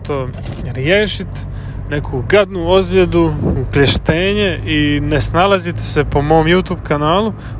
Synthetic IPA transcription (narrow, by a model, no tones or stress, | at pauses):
t̪o | ɾjeːʃit̪ | ne̞kʰuɡad̪nuozljed̪uklʲeʃt̪eːɲe̞inesnalazit̪se̞po̞mo̞ːmjut̪uːbkanaːlu